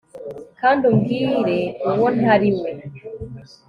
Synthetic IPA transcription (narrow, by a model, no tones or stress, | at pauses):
kandumɡiːɾeuwonhaɾime